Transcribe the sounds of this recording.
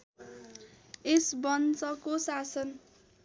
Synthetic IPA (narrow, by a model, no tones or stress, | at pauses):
esbʌnt͡sʌkosasʌn